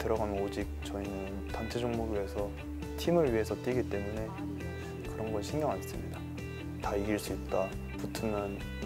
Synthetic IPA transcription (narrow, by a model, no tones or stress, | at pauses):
tɯɾʌɡanɯnod͡ʑik̚t͡ɕʌinɯntant͡ɕʰe̞d͡ʑoŋmuɡiiesʰʌ | tʰimɯɭɥiɦe̞sʰʌt͈iɡit͈e̞mune̞ | kɯɾʌnɡʌɭɕʰiŋɡjʌŋans͈ɯmɲida | taiɡiɭs͈uip̚t͈a | putʰunɯn